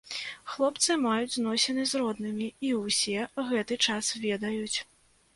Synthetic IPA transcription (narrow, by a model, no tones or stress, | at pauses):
xlˠɔpt̪sɨmajud͡zʲznɔsʲɛnɨzrɔd̪nɨmʲiiwsʲɛɣɛt̪ɨt͡ʂasvʲɛd̪ɐjut͡sʲ